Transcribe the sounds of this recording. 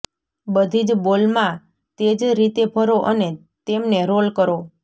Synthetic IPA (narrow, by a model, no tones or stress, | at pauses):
bəd̪ʱid͡ʒbolmã | t̪ed͡ʒɾit̪ebʱəɾoʔəne | t̪emneɾolkəɾo